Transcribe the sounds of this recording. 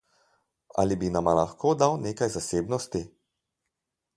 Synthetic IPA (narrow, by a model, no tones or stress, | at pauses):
a̰libinamalaxkoːd̪awneːkajzaseːbnɔst̪i